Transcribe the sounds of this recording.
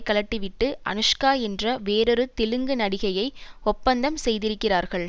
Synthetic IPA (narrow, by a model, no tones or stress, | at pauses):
kːɐlɐʈːɯʋɪʈːɯʔɐ̰nɯʂkaːɛndrɐʋeːɾɔɾɯt̪ɪlɯŋɡɯnɐɽɪɣɐjɐɪɔpːɐnd̪ɐmsɛjðɪɾɯkːɪraːɾɣɐɭ